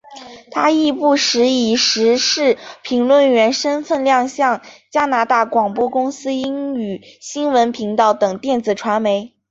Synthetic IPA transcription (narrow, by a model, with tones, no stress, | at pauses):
t̪ʰa˥i˥˧pu˥˩ʂɻ̩˧˥i˨˩ʂɻ̩˧˥ʂɻ̩˥˩pʰi˧˥ŋlwə˥˩nɥɛ˧˥nʂə˥nfə˥˧nljɑ˥˧ŋɕjɑ˥˩ŋt͡ɕja˥na˧˥t̪a˥˩kwɑ˨˩ŋpwɔ˥kʊ˥ŋsɹ̩˥i˥ŋy˨˩ɕi˥nwə˧˥npʰi˧˥ŋt̪ɑ˥˩ʊt̪ɤ˨˩ŋt̪jɛ˥˩nt͡sɹ̩˨˩ʈ͡ʂʰwa˧˥nme˧˥ɪ